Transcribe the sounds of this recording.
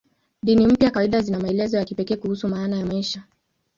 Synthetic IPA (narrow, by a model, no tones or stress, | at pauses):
ɗinim̩pjakawaiɗazinamaɛlɛzɔjakipɛkɛːkuhusumaːnajamaiʃa